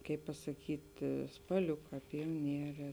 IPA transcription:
ˈkɐɪp pɐsɐˈkʲiːt spɐˈlʲʊkɑː pʲɪjoːˈnʲiɛrʲɛː

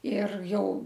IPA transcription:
ɪr ˈjɛʊ

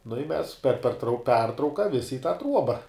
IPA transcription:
nʊ ɪ mʲɛs pʲɛr pʲɛrˈtrɐʊ ˈpʲɛrtrɐʊkɐ ˈʋʲɪsʲɪ ɪ tɑː ˈtruɔbɐ

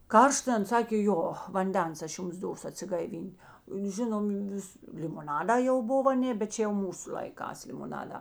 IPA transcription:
ˈkɐrʃt ˈɐn ˈsɑːkʲeː ˈjoː ʋɐnʲˈdʲɛns ˈɐʃ ˈjʊms ˈdoːsʊ ɐtʲsʲɪɡɐɪˈʋʲiːnʲtʲ ˈʒʲɪnoːm ˈʋʲɪs lʲɪmoːˈnɑːdɑː jɛʊ ˈboːw ɐˈnʲeː bʲɛt ˈt͡ʃʲɛ jɛʊ ˈmuːsʊ lˠɐɪˈkɑːs lʲɪmoːˈnɑːdɑː

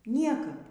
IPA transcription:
ˈnʲiɛkɐp

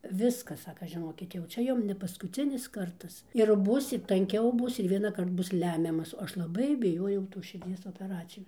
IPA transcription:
ˈʋʲɪskɐs ˈsɑːkɐ ʒʲɪˈnoːkʲɪt jɛʊ ˈt͡ʃʲɛ ˈjʊm nʲɛ pɐskʊˈt͡sʲɪnʲɪs ˈkɐrtɐs ɪr ˈbuːsʲɪt tɐŋʲˈkʲɛʊ ˈbʊs ɪr ʋʲiɛnɑːˈkɐrt ˈbʊs ˈlʲæːmʲɛmɐs oː ˈɐʃ lˠɐˈbɐɪ bʲɪˈjoːjɛʊ toːs ʃʲɪrʲˈd͡zʲiɛs oːpʲɛˈrɑːt͡sʲɪjoːs

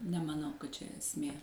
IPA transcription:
nʲɛmɐˈnɐʊ kɐt t͡ʃʲɛ ɛsʲˈmʲeː

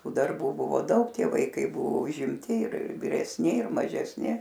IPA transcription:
ˈtuː dɐrˈbuː bʊˈʋoː ˈdɐʊk ˈtʲiɛ ʋɐɪˈkɐɪ ˈbʊʋoː ʊʒʲɪmʲˈtʲɪ ɪr ʋʲɪrʲɛsʲˈnʲɪ ɪr mɐʒʲɛsʲˈnʲɪ

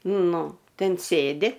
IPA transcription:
ˈnʊ ˈtʲɛn ˈsʲeːdʲɪ

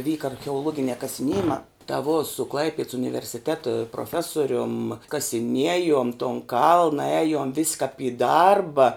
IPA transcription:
ˈʋʲiːkɐ ɐrʲxʲɛoːˈlˠuɔɡʲɪnʲæː kɐsʲɪˈnʲiɛjɪmɑː tɐ ʋoː sʊ ˈklˠɐɪpʲiɛts ʊnʲɪʋʲɛrʲsʲɪˈtʲæːtɐ proːˈfʲæːsoːrʲʊm kɐsʲɪˈnʲiɛjoːm toːn ˈkɐlˠnɐ ˈæːjʊm ʋʲɪsʲ kɐp ɪ ˈdɐrbɐ

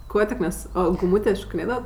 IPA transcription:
ˈkuɔ tʲɪk mʲɛs oː ɡʊˈmuːtʲeː ʃoːkʲɪˈnʲeːdɐʋɐt

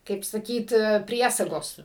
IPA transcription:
kɐɪp sɐˈkʲiːt ˈpʲrʲiɛsɐɡoːs

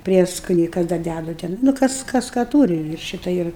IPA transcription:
ˈpʲrʲiɛskoːnʲɛɪ ˈkɐs dɐr ˈdʲædʊ ˈtʲɛn nʊ ˈkɐs ˈkɐs kɐ ˈtuːrʲɪ ɪr ˈʃʲɪtɐ ˈɪr

